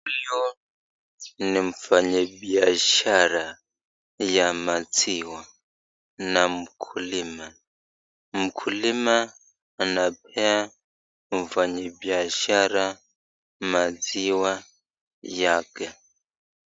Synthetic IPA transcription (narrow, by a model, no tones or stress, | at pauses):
ijɔ | niɱfaɲɛbiaʃaɾa | jamad͡ziwa | namukʰulima | mukʰulimaː | napʰɛa | ɱvaɲɛbiaʃaɾa | mad͡ziwa | jakɛ